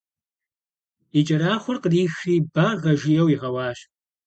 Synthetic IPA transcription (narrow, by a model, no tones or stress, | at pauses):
it͡ʃʼɐɾaːχʷʊrqəriːxiːbaːrʁɐʒijɐwiʁɐwɑːɕ